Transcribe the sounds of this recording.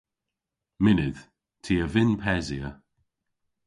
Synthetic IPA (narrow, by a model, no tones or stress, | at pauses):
mɪnɪð̥ | tʰiːəvɪnpʰɛziə